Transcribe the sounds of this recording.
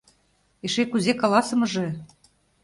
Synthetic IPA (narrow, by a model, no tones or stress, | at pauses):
eʃekuzekɑlɑsɤ̆mɤ̆ʒĕ